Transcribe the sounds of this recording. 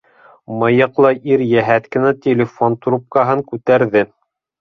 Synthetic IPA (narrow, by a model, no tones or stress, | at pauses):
mɤjɤ̆qlˠɤʔiɾjæɦæt̪kɘ̆næt̪ʲelʲɪfont̪rup̚kɑɦɤŋkʉt̪æɾðɘ